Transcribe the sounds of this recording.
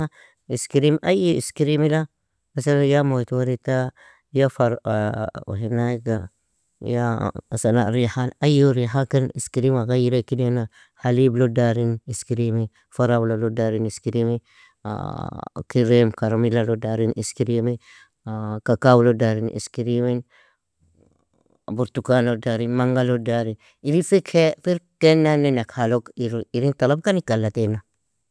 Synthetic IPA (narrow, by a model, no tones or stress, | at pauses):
iskiɾimʔajiiskiɾimila | asalajamoitwaɾita | jafaɾṵɦinaiɡa | jasana̰ɾihanajuɾiɦakiniskiɾimaɡajiɾekidena | haliblodaɾiniskiɾimi | faɾawlalodaɾiniskiɾimḭ | kiɾemkaɾamilalodaɾinʔḭskiɾime | kakawlodaɾinʔḭskiɾimin | buɾt̪ukanlodaɾinmaŋɡalodaɾin | iɾifikefiɾtenːanenakhalokiɾiɾintalab̚kanikalːatena